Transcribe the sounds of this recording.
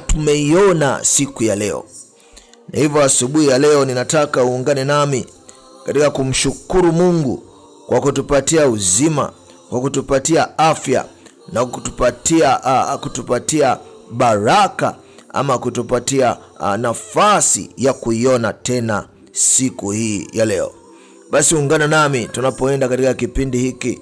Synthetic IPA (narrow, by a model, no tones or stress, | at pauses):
tumɛiɔna̰sikujalɛɔ̰ | na̰hivɔasuɓuhijalɛɔninatakauːŋɡanɛnami | katikakum̩ʃukuɾumuŋɡṵ | kwʔakutupatiauzima̰ | kwakutupatiaafja̰ | nakutupatiakutupatiaɓaɾaka̰ | a̰makutupatia | nafasḭjakuiɔnatɛna | sikuhiːjalɛɔ̰ | ɓasiuuŋɡanɛnamitunapɔɛndakatikakipindihiki